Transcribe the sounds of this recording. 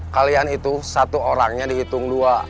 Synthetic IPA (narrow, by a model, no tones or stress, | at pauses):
kalianit̪usat̪uoɾaŋɲadiɦit̪ʊŋdua